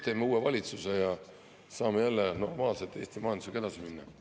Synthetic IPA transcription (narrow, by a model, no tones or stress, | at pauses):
t̪e̞ːmːeuːe̞vɑlʲit̪suse̞jɑ | sɑːme̞jælːeno̞rmɑːlset̪ːˑe̞ːst̪imɑːnd̪u̥seke̞d̪̥ɑsiminːɑ